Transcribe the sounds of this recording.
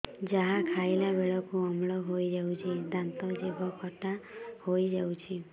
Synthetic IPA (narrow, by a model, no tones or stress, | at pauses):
d͡ʒaɦãkʰajlabeɭɔkuɔmɭɔɦojd͡ʒawt͡ʃʰid̪ant̪ɔd͡ʒebʱɔkʰɔʈahojd͡ʒawt͡ʃʰi